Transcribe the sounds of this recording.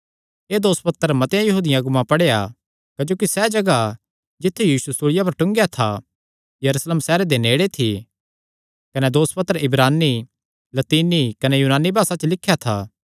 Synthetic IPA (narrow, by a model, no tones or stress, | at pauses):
eːd̪oːspɐt̪ːəɾmɐt̪jãjɐɦuːd̪ɪjãɡʊmãpɐɽeja̰ | kɐd͡ʒoːkisɛd͡ʒɐɡa | d͡ʒɪt̪ʰːujiːsusʊɽɪjap̬ɐɾʈʊ̃ŋɡejat̪ʰa̰ | jɐɾusləmsɛːɾed̪eneːɽet̪ʰi | kɐnɛd̪oːspɐt̪ːəɾɪbɾaːnːi | lɐt̪iːnikɐnɛjuːnaːnːibʱaːsat͡ʃlɪkʰːjat̪ʰa̰ː